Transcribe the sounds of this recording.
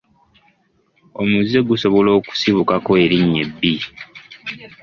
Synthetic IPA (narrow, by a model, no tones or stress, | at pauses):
o̞muzːeɡuso̞βo̞lo̞ːku̥siβukakoeɾiɲːḛbːi